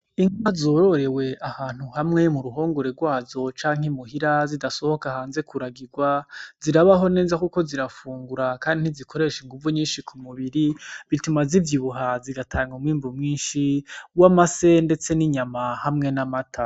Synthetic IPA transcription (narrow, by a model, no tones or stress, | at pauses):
iŋwazo̞ɾo̞ɾe̞we̞ʔahaːn̥huhamŋe̞muɾuɦo̞ːŋɡoɾe̞ɾɡwaːzo̞t͡ʃaːŋhemuhiɾazidaso̞ho̞kahaːnze̞kuɾaɡiɡwaziɾaβaɦo̞ne̞ːzakuko̞ziɾafuːŋɡuɾakaːndin̥izikʰo̞ɾe̞ʃiŋɡuvuɲiːnʃikʰumuβiɾiβitumazivjiβuɦaziɡatʰaːŋɡomwiːmbumŋiːnʃiwamase̞nde̞t͡se̞niɲamahamŋe̞namatʰa